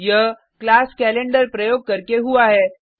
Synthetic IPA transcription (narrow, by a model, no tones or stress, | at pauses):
jɐ | klaːskɛːlẽɳɖəɾpɾɐjoːɡ̚kɐɾkeɦuaɦɛː